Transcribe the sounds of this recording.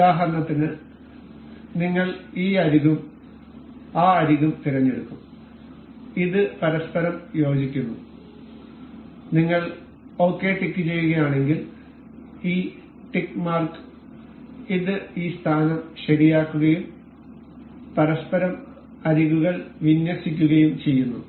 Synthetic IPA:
aːɦɐɾɐɳɐt̪ːinɨ | niŋːɐɭiːɐɾiɣum | aːɐɾiɣumt̪iɾɐɲːeɽukːum | iðɨpɐɾɐspɐɾɐmjo̞ːd͡ʑikʲːunːu | niŋːɐɭ | o̞ːkːe̞ːʈikːɨt͡ɕe̞jːuɣɐjaːɳe̞ŋɡil | iː | ʈikːmaːrkɨ̥ | iðɨiːst̪ʰaːnɐmɕɐɾijaːkːuɣɐjum | pɐɾɐspɐɾɐm | ɐɾiɣuɣɐɭʋinjɐsikʲːuɣɐjumt͡ɕe̞jːunːu

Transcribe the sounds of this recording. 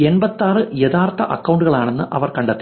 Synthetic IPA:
enbɐt̪ːaːrɨjet̪aːrt̪ːɐʔɐkːɐwɳɖuɣɐɭaːɳe̞nːɨʔɐʋɐrkɐɳɖɐt̪ːi̥

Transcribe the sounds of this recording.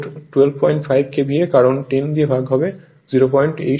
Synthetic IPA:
ɾʈuwelb̚pɔjɳʈfʰajb̚kebʱiekaɾonʈind̪iebʱaɡɦɔbe | ziɾopɔjɳʈḛ

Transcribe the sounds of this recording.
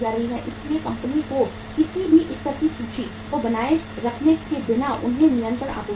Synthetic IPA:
d͡ʒaːɾɐɦiɦɛ̃ʔɪsliekɐ̃mpəniko | kɪsibʱiʔɪst̪əsit͡ʃʰut͡ʃʰi | kobɐnaːeɾɐkʰneked̪ɪnaʔʊ̰nɦẽmɪlə̃nk̪əɾa̰ːkoː

